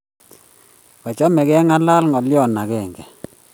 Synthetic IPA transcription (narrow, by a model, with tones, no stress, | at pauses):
ka˨t͡ʃɔ˦mɛ˨ɡɛ˦ŋa˦la˦lŋɔ˨lɪ˦ɔ˦˨na˨ɡɛ˨ŋɡɛ˨